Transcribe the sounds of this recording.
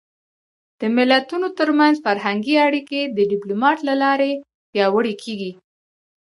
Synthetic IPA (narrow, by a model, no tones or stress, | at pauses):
d̪̥əmɪlat̪unot̪əɾmanzfaɾɦaŋɡiaɽiked̪əɖɪplumɑʈlalɑɾe | pjɑwəɽekʰeɡi